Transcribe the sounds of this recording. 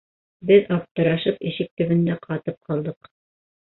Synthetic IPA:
bɘðɑp̚t̪ɤ̆ɾɑʃɤpiʃɘk̚t̪ɵ̆βɘ̆nd̪æqʰɑt̪ɤp̚qʰɑlˠd̪ɤq

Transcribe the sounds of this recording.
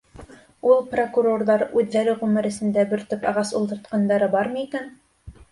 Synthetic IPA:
ulˠprokuɾo̞rðɑɾʉðːæɾɘʁʉmɘ̆ɾɘ̆sɘ̆nd̪æbɘ̆ɾt̪ɵpɑʁɑsulˠt̪ɤ̆ɾt̪qɑnd̪ɑɾɤbɑɾmɤikæn

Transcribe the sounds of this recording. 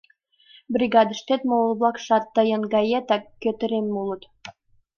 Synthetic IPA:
brʲiɡɑd̪ə̆ʃt̪et̪molβlɑkʃɑt̪ːəjə̆nɡɑjet̪ɑkːøt̪ə̆ɾemːulə̆t̪

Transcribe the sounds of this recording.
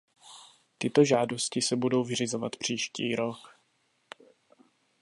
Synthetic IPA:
t̪ɪt̪o̞ʒaːdo̞scɪsɛbudo̞wvɪr̝ɪzo̞vat̪pr̝̥iːʃciːɾo̞k

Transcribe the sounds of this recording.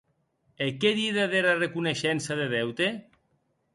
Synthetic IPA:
ekeðiðaðeɾarekuneʃɛnsaðeðɛwt̪e

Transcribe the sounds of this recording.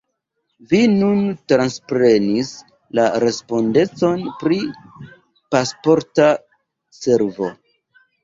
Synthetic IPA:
vinuntɾanspɾe̞nis | laɾe̞spo̞nde̞t͡so̞npɾi | paspo̞ɾta | se̞ɾvo̞̰

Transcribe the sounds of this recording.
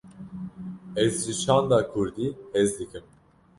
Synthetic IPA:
ɛzd͡ʒiʃand̪akʰuɾd̪iɛzlʲikʰim

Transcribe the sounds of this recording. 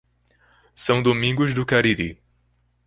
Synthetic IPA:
sɐ̃w̃d̪omĩŋɡʊzd̪ʊkaɾiɾi

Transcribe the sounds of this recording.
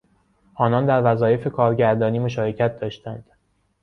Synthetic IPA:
ʔɒːnɒːnd̪æɾvæzɒːje̞fe̞kʰɒːɾɟæɾd̪ɒːniːmo̞ʃɒːɾe̞cʰæt̪̚d̪ɒːʃt̪ænd̪̥

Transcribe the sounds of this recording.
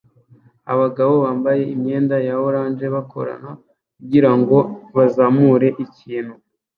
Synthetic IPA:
a̰βaɡaβo̞βaːmbaje̞imɲe̞ːndajawoɾaːnd͡ʒe̞βakʰo̞̰ɾa̰na | kkuɟiɾaŋɡo̞βazaːmuɾe̞ʔiciːn̥hu

